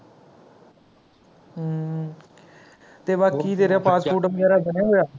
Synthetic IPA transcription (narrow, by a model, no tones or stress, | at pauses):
t̪eːʋakːiːd̪eːɾeaːpaːspoːʈəmd͡ʒaːɾaːbəneːɦoːjaː